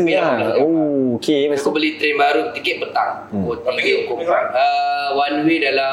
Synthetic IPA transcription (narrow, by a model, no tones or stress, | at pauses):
aokekobəlit̪ɾembaɾut̪ikɛt̪̚bət̪aŋ | ot̪kaəwanwedala